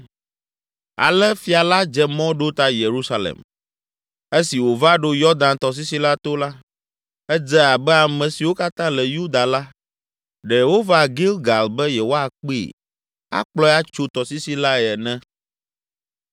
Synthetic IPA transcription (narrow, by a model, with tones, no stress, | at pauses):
a̰˨lɛ˦fi˨a˨la˦d͡ʒɛ˦mɔ̃˦ɖo˦t̪a˦je˨ɾu˦sa˨lḛ˨m | e˦si˨wo˨va˦ɖo˦jɔ˦d̪ã˨nt̪ɔ˨s̬i˦si˦la˦t̪o˦la˦ | ɛ˦d͡zɛ˦a˨bɛ˦a˨mɛ̃˨si˨wo˦ka˦t̪ã˦lɛ˨ju˦d̪a˨la˦ | ɖɛ˨wo˦va˨ɡi˦lɡa˨lbɛ˦je˨wo˦a˦˨k͡pḭ˦˨ | a̰˦k͡plɔ˦ɛ˦a˦t͡ʃo˦t̪ɔ˨si˦si˦la˦˨ɛ˨nɛ̃˦